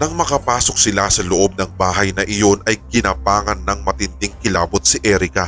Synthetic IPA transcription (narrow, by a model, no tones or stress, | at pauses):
nɐŋmɐkɐpaːso̞k̚sɪlasɐloʔo̞b̚nɐŋbaːɦɐjnɐʔɪjo̞nʔɐjkɪnɐpaːŋɐnːɐŋmɐt̪ɪnd̪ɪŋkɪlaːbot̪̚sɪʔɛɾɪkɐ